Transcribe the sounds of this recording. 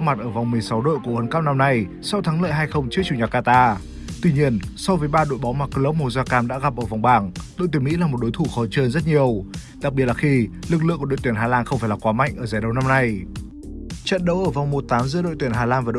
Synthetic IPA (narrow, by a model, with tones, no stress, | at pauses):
ma˨˩t̚ʔəː˧˩va˨˩wŋ͡mmɨ˨˩əjsa˨˦wɗo̰˧˨jku˧˩həː˨˦nkaː˦˥w̚na˧mna˧j | sa˨˧wt̪ʰaː˨˦ŋlə̰ː˧˨jɦaː˧jxə˧wŋ͡mt͡ɕɨ˦˥ət͡ɕu˧˩ɲaː˨˩kaː˧t̪aː˧ | t̪wi˧ɲi˧ənsɔ˧wvəː˨˦jɓaː˧ɗo̰˧˨jɓɔ˨˦wmaː˨˩kə˧lə˦˥p̚mo˨˧˩zaː˧kaː˧mɗa̰ː˧˥ɣa˨˩p̚ʔəː˧˩va˨˩wŋ͡mɓaː˧˨˩ŋɗo̰˧˨j̪t̪i˨˧˩mḭ˧˥laː˨˩mo˨˩t̚ɗo˨˦jt̪ʰu˧˩xɔ˨˦t͡ɕəː˧nzə˦˥t̚ɲi˨˩əwɗa˨˩k̚ɓi˨˩ətlaː˨˩xi˧lɨ˨˩k̬̚lɨ̰˧˨ŋkːɗ̰jt̪i˧˩əɦaː˧˩laː˧nxə˧wŋ͡mfaː˧˩jlaː˨˩kwaː˨˦ma̰˧˨jŋʔəː˧˩zaː˨˩ɗə˨˧wna˧mna˧j | t͡ɕə̰˧˨nɗə˨˦wʔəː˧˩va˨˩wŋ͡mmo˨˩t̚t̪aː˨˦mzɨ̰˧˥əɗo̰˧˨t̪wənɦaː˧˩laː˧nvaː˨˩ɗ̰